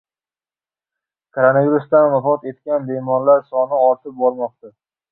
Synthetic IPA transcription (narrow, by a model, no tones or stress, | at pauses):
kʰoɾonaviɾusd̪anvafɒt̪e̞t̪kʲanbemɒnlaɾsɒnɪɒɾt̪ʰɪp̚bɒɾmɒq̚t̪a